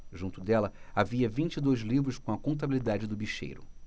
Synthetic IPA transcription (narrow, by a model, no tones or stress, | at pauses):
ʒũnt̪ʊd̪ɛlɐaviɐvĩt͡ʃid̪ojzlivɾʊskõɐkõnt̪̬abilid̪ad͡ʒɪd̪ʊbiʃḛjɾʊ̰